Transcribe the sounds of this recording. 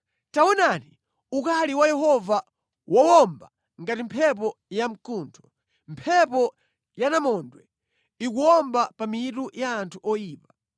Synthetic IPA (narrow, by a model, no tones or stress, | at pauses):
tawɔnani | ukaliwajɛɦɔva | wɔwɔmba | ŋɡatimpʰɛp̬ɔjam̩kuːntʰɔ̥ | mpʰɛpɔ | janamɔndwɛ | ikuwɔmbapamiitujaːntʰuʔɔjiːpa